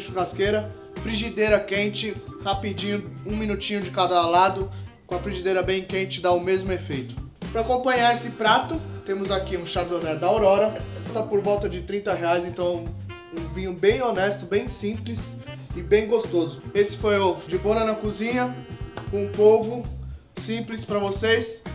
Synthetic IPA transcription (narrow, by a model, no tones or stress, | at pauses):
ʃʊkaskeɾɐ | fɾiʒid̪ejɾɐkẽnt͡ʃɪhapid͡ʒĩɲʊũmĩnut͡ʃĩɲʊd͡ʒɪkad̪ɐlad̪ʊkõɐfɾiʒid̪eɾɐbẽj̃kẽt͡ʃɪd̪aʊmezmʊefejt̪ʊ̥ | pɾɐakõpɐ̃ɲaesɪpɾat̪ʊt̪ẽmʊzakiũʃaɾd̪onɛd̪ɐoɾɔɾɐt̪ɐpoɾvɔwt̪ɐd͡ʒɪt̪ɾĩnt̪ɐɦeajzẽnt̪ɐ̃w̃ | ũvĩɲʊbẽj̃onɛst̪ʊbẽj̃sĩplɪs | ɪbẽj̃ɡost̪ozʊesɪ̥fojʊd͡ʒɪbõnɐnɐkuzĩɲɐkũpovʊ | sĩplɪspɾɐvoses